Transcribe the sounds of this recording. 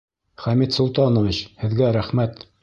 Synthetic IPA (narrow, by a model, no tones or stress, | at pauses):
χæmit̪sŏlˠt̪ɑnŏvit͡ɕhɘ̆ðɡæɾæχmæt̪